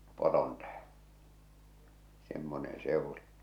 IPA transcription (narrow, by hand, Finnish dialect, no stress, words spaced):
poron tæhẽː semːonen̞ se ŭli